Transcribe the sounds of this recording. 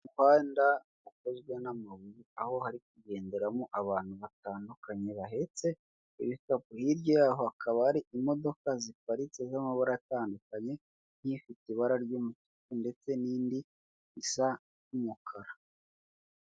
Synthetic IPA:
uhwaːnda | ukozɡwe̞namaβujiaho̞haɾik̚uɟe̞ːnde̞ɾamuʔaβaːn̥huβataːndukaɲe̞βaɦe̞t͡se̞ | iβitapuhiɾɟo̞jaːɦo̞akʰaβaaɾiʔimo̞do̞kazipaɾit͡sezamaβaɾaataːndukaɲe̞ | n̥hifitiβaɾaɾɟuːmutu̥kunde̞t͡se̞niːndiː | sa | umukʰaɾa

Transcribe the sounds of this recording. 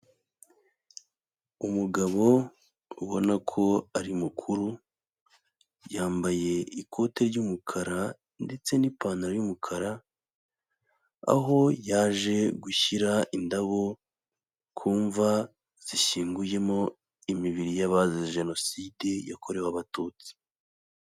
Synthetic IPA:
umuɡaβo̞ | uβo̞nakʰo̞aɾimukʰuɾu | jaːmbaje̞ikʰo̞te̞ɾɟumukʰaɾa | nde̞t͡se̞nipaːnaɾajumukʰaɾa | a̰ɦo̞jaːʒe̞ɡuçiɾaʔindaβo̞ | kʰuːɱva | z̥iʃiːŋɡuje̞mo̞ | imiβiɾijaβazizʒe̞no̞side̞ja̰kʰo̞ɾe̞waβatuːt͡si̥

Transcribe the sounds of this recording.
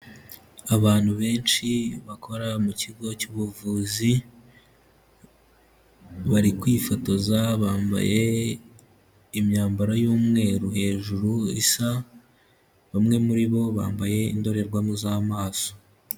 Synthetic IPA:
aβaːn̥huβe̞ːnt͡ʃiβakʰo̞ɾamuciɡo̞cuːβuvuːzi | βaɾikwiːfo̞to̞zaβaːmba̰je̞ | imɲaːmbaɾajuːmŋe̞ːɾuhe̞ːʒuɾuisa | βamŋe̞muɾiβo̞βa̰ːmbaje̞ḭndo̞ɾe̞ɾɡwamuzamaːso

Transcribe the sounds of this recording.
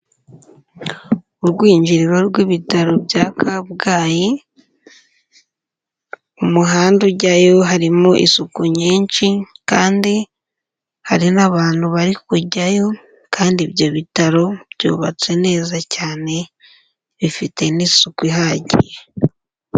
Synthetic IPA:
uɾɡwiːɲɟiɾiɾo̞ɾɡwiβitaɾo̞bɟaːkʰabɡaːji | umuɦaːnduɟajo̞ɦaɾimoʔḭsukuɲiːnt͡ʃikaːndi | haɾinaβaːn̥huβaɾikuɟajo̞ | kaːndiβjo̞βitaɾo̞bjṵːβat͡se̞ne̞ːzacaːne̞ | βifite̞nisukwiɦaɟḭje

